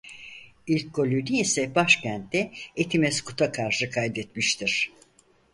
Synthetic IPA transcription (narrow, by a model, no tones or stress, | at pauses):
ilʲkːo̞lʲyd̪iesɛbaʃcænt̪d̪ɛet̪ʰimɛskʰu̥t̪ʰakʰaɾʃɯkʰajd̪ɛt̪miʃt̪ʰiɾ̥